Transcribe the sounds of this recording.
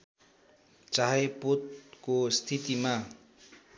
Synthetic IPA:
t͡saɦepot̪kost̪ʰit̪ima

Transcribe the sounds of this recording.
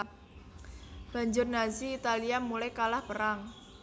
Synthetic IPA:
b̥a̤ɲd͡ʒʊrnaziːt̪aliamulajkalahpəɾaŋ

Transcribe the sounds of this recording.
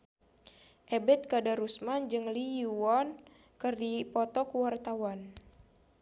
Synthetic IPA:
ʔɛbɛt̪̚kadaɾusmand͡ʒɨŋlijuɔn | kɨrdipɔt̪ɔkuwart̪awan

